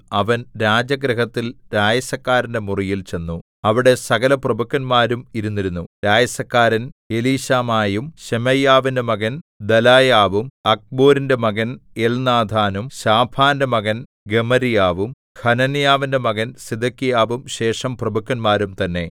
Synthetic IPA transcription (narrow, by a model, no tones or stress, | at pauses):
ɐʋɐnɾaːd͡ʑɐɡɾɐɦɐt̪ːilɾaːjɐsɐkːaːɾinde̞murijilt͡ɕe̞nːu | ɐʋiɽe̞sɐɣɐlɐprɐbukːɐnmaːɾumiɾunːiɾunːuɾaːjɐsɐkːaːɾɐneliːɕaːmaːjumɕemɐjaːʋindemɐɣɐnd̪ɐlaːjaːʋumɐk̚boːɾindemɐɣɐnelnaːd̪ʱaːnumɕaːbʰaːndɐmɐɣɐn | ɡe̞mɐɾijaːʋum | hɐnɐnijaːʋinde̞mɐɣɐnsid̪ʱɐkːijaːʋumɕe̞ːʂɐmprɐbukːɐnmaːɾumt̪ɐnːe̞